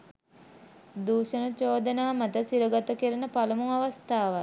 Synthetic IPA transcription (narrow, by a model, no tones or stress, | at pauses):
d̪uːʃənət͡ʃoːd̪ənaːmat̪əsiɾəɡat̪əkəɾənəpalɐmuŋaʋast̪aːʋa